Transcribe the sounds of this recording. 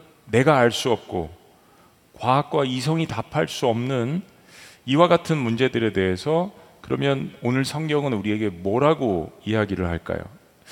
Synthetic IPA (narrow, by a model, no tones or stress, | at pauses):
ne̞ɡaːɭs͈uʌp̚k͈o̰ | kwaɦak̚k͈wais̬ʰʌŋitapʰaɭs͈uʌmnɯn | iwaɡatʰɯnmund͡ʑe̞dɯɾe̞de̞ɦesʰʌkɯɾʌmjʌnonɯɭsʰʌŋɡjʌŋɯnuɾie̞ɡe̞mwʌɾaɡoiaɡiɾɯɭhaɭk͈a̰jo̰